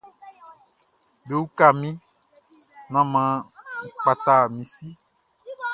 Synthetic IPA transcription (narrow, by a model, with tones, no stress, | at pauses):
be˨wu˦ka˦˨mĩ˦ | nã˦mã˨k͡pa˨t̪a˨mĩ˨si˦